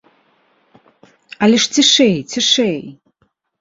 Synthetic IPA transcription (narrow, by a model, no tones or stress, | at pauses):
alʲɪʂtʰɨʂejtʰɨʂej